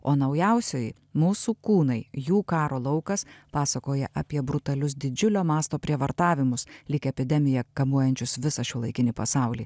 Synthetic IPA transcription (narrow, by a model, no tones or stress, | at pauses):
oːnɐʊjɛʊsʲoːj | muːsuːkuːnɐɪjuːkɑːɾoːlˠɐʊkɐspɑːsɐkoːjɛʔɐpʲiɛbɾʊt̪ɐlʲʊsd̪ʲɪd͡ʒʲʊlʲoːmɑːst̪oːpʲɾʲiɛʋɐɾt̪ɑːʋʲɪmʊslʲɪkʲɛɛpʲɪd̪ʲɛmʲɪjɛkɐmuɔjɛnʲt͡ʃʲʊsʋʲɪsɐʃʲuːlˠɐɪkʲɪnʲiːpɐsɑˑʊlʲiː